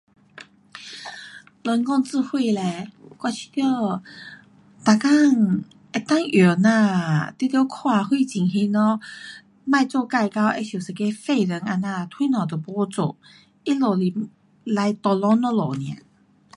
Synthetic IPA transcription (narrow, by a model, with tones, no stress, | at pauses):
lə˧nkɔ˥˧ŋt͡sɹ̩˥˧hwi˥˧lɛ˧kwa˧˩t͡ɕʰi̥˧t̪jə˥˧ | t̪a˨˩ka˥˧˨ŋ | ɛ˧˩t̪a˥ŋjo˨˩nã˥˧t̪i˧˥˨t̪jɔ˧˦kʰwa˥˧˨hwi˥˧˨t͡ɕi˨˩ŋɦi˧˥nɔ˧˦ | mã˥˧jt͡sɔ˥˧ka˥˧jka˧˥wʔe˧˥ɕju˨˩sə˨˧˩ke˧˦fe˥˧ɾə˨˦ŋa˧nã˧t̪ʰwi˦nɔ̃˨˩t̪ə˨˩pɔ˧˦t͡so̰˨˩˨ | i˦lo˨˩li˨˩ | la˧jt̪ɔ˧lɔ˧˦nɔ˧lɔ˨˩nj̃ã̰˨˩˦